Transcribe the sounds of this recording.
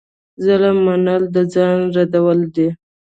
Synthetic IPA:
zaləmːanald̪əd͡zɑnɾad̪awəld̪e

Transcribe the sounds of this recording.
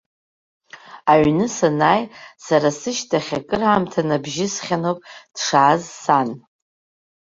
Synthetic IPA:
aɥnɨsanaːjsaɾasɨʃtʰaχʲakʼɨramtʰanabʒɪsχʲanowpʼd̥ʂaːzsan

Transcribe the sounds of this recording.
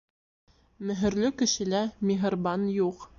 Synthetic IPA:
mɵ̆ɦɘ̆ɾlɵkɘ̆ʃɘ̆læmʲiɦɤ̆rbɑnjuq

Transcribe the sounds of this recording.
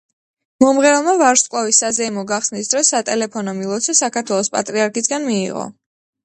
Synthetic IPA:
mɔmʁɛlˠmavaɾʃkʼlˠavisazɛimɔɡaχsnisd̪ɾɔsːat̪ʼɛlɛpʰɔnɔmilˠɔt̪sʰɔsakʰaɾt̪ʰwɛlˠɔspʼa̰t̪ʼɾiaɾkʰisɡanmḭːʁɔ̰

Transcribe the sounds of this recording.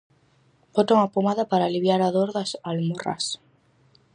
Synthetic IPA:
bot̪oŋapomaðapaɾaːliβjaɾaðoɾðasalmora̰s

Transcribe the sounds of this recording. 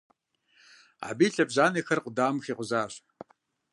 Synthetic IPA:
a̰biːɬɐbʑaːneːxɐrqʷʊdaːmxiːqʷʊzaːɕʼ

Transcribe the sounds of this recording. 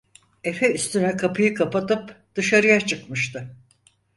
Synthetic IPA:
e̞fɛyst̪ʰynɛkʰapʰɯjɯkʰapat̪ɯpd̪̥ɯʃaɾɯjat͡ʃʰɯkmɯʃt̪ʰɯ

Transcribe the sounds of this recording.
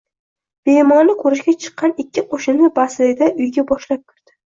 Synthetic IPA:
b̥ejmɒnɪkʰoɾɪʃɡʲat͡ʃʰɨ̥qːɑnɪkʲːɪqʰoʃɪnɪbaslɪɡʲɪd̪aʊjɡʲabɒʃlap̚kʰʲɪɾd̪̥ɪ̥

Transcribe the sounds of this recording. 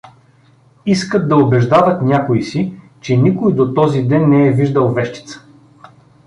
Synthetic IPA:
iskət̪̚d̪ɐobɛʒd̪avət̪nʲakoisi | t͡ʃɛnʲikojd̪ot̪ɔzid̪ɛnːɛɛviʒd̪əlˠvɛʃt̪i̥t̪sə̥

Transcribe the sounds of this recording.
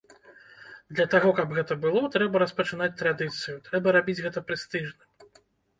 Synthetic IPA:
d̪lʲɐt̪aɣɔkɐbɣɛt̪ɐbɨlˠɔt̪ɾɛbɐɾɐspɐt͡ʂɨnat͡sʲt̪ɾad̪ɨt̪sɨjut̪ɾɛbɐɾabʲid͡zʲɣɛt̪ɐpɾɨst̪ɨʐnɐ

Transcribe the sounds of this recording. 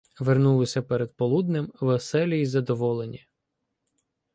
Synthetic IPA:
ʋernulˠɪsʲɐpɛɾed̪̚pɔlˠud̪nɪmʋesɛlʲiizɐd̪ɔʋɔlˠenʲi

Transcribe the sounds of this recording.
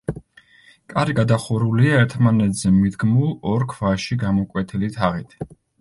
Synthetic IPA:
kʼaɾiɡad̪aχuɾuliaɛɾt̪ʰmanɛt̪ʰz̥ɛmid̪ɡmuɔɾkʰvaʃiɡamɔkʼwɛt̪ʰilit̪ʰaʁit̪ʰ

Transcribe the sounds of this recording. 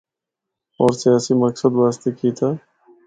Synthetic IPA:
ɔːɾsijaːsiməksəd̪ʋaːst̪ekiːt̪ʰaː

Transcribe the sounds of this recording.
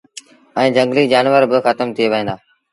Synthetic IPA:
ɛ̃ːd͡ʒə̃ŋɡliːd͡ʒaːnʋəɾbɪxət̪əmt̪ʰɪeːʋəɦĩːnd̪aː

